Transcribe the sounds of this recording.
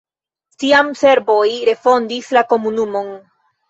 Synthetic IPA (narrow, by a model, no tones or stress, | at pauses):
tiamse̞ɾbo̞jɾe̞fo̞ndislako̞munumo̞n